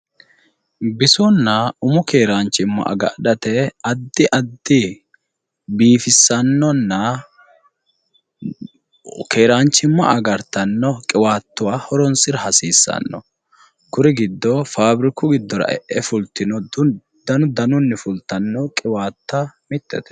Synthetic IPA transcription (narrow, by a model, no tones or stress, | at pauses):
bɪsʊnːɐʊmʊkeːɾaːnt͡ʃːɪmːɐ̰ʔɐ̰ɡɐ̰ᶑɐt̪ɛɐd̪ːɪʔɐd̪ːɪ | biːfɪsːɐnːɔnːɐ | keːɾaːnt͡ʃːɪmːɐ̰ʔɐɡɐɾt̪ːɐnːɔkʼɪwaːt̪ːʊwaːhɔɾɔnsɪɾɐɦɐsiːsːɐ̰nːɔ̰ | kʊɾɪɡɪd̪ːɔfaːbɾɪkʊɡɪd̪ːɔɾɐ̰ʔɛ̰ʔɛfʊlt̪ːɪnɔd̪ | d̪ɐnʊd̪ɐnʊnːɪfʊlt̪ːɐnːɔkʼɪwaːt̪ːɐmɪt̪ːɛ̰t̪ɛ̥